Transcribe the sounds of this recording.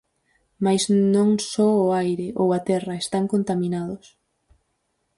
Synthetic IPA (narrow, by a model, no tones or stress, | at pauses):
majznõŋsɔʊajɾɪʔowat̪ɛrɐest̪aŋkont̪amĩnaðʊs